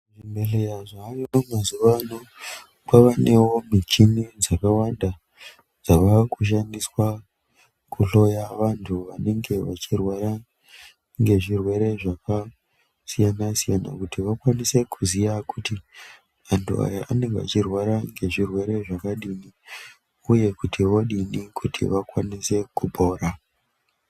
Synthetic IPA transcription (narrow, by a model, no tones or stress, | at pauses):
ʐimbeɬejaʐaːrinomazuʋano | kaʋane̞wo̞mit͡ʃinid͡zakawanda | d͡zaʋakuʃ̬andiswa | kuɬo̞jaʋantʰuʋane̞ŋɡe̞ʋat͡ʃirwaɾa | ŋɡe̞ʐirwe̞ɾe̞ʐaka | sijanasijana̰kutiʋakwanise̞kʰuzijakuti | ʋantʰua̰jaane̞ŋɡeʋa̰t͡ʃirwaɾaŋɡe̞ʐirwe̞ɾe̞ʐakaɗini | uje̞kutʰiʋoɗinikʰutʰḭʋakwanise̞kubʱo̞ːɾa